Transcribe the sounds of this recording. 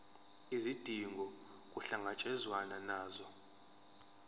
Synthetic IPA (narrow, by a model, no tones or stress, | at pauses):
izid̥ʱiŋɡʱɔ | kʼuɬaŋat͡ʃʼɛzwananaːzɔ